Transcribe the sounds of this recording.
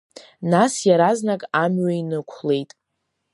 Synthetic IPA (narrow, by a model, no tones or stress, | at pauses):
nasjaɾaznakʼamɥainɨkʷʰle̞jtʼ